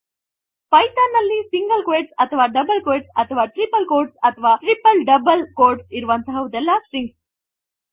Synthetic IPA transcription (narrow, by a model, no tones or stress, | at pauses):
pɐjt̪anːɐlːiːsiŋɡəlkʋeːʈsɐt̪ʰɐʋaːɖɐbəlkeːʈsɐt̪ʰɐʋaːʈɾipəlkoːɾɖsɐt̪ʰɐʋaːʈɾipəlɖɐbəlkoːɾɖsiɾuʋɐnt̪ɐɦɐʋud̪ɛlːasɾiŋɡs